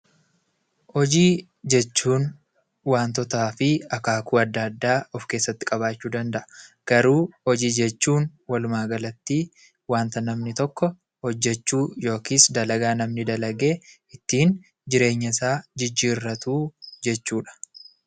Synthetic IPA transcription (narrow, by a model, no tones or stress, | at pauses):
hɔd͡ʒiː | d͡ʒɛt͡ʃːuːn | waːnt̪ɔt̪aːfɪɐkaːkʰuːɐd̪ːaːd̪ːaːɔfke̞ːsːɐt̪ːɪ̥kʼɐbaːt͡ʃːuːd̪ɐnd̪ɐʔɐ̥ | ɡ̥ɐɾuːhɔd͡ʒiːd͡ʒɛt͡ʃːuːnwɐlʊmaːɡɐlɐt̪ːiː | waːnt̪ɐnɐmnɪt̪ɔkːɔ | hɔd͡ʒːɛt͡ʃːuːjo̞ːkiːsd̪ɐlɐɡaːnɐmnɪd̪ɐlɐɡe̞ː | ɪt̪ːiːn | d͡ʒɪɾe̞ːɲːɐsaːd͡ʒɪd͡ʒːiːrːɐt̪uːd͡ʒɛt͡ʃːuːᶑɐ̥